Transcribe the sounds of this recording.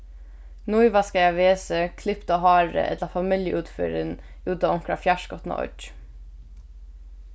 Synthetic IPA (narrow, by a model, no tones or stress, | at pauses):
nujʋaskajɛʋeːsəkʰlɪpt̪aɦɑːɹə̰ʔɛ̰t̪lafamɪljəʔʉːt̪fʏːɾɪn | ʉːt̪aɔŋ̥kɾa̰fjaʃkɔt̪na̰ʔɔ̰